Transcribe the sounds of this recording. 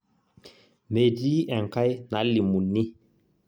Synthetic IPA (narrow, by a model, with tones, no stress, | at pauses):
me˨di˦ɛ˨ŋ˨ka˦jna˨˦li˨mu˨ni˦